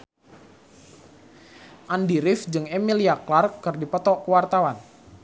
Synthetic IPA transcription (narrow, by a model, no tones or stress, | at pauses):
ʔandiɾɪfd͡ʒɨŋemiliaklarkːɨrdipɔt̪ɔʔkəwart̪awan